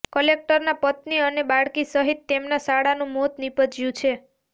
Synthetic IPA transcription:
kəlek̚ʈəɾnapət̪niənebaɽkisəɦit̪ːemnasaɽanũmot̪nipəd͡ʒjũt͡ʃʰe

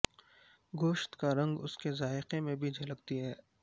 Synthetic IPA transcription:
ɡoːʃt̪kaɾɐ̃ŋɡʊskezaːɪqemẽbʱid͡ʒʱɐləkt̪iɦɛː

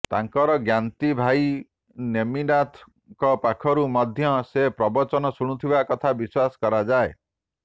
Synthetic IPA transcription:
t̪aŋkɔɾɔɡjant̪ibʱaj | nemiɖat̪ʰ | kɔpakʰɔɾumɔd̪ʱjɔsepɾɔbɔt͡ʃɔnɔsuɽ̃ut̪ʰibakɔt̪ʰabiswasɔ̥kɔɾad͡ʒae

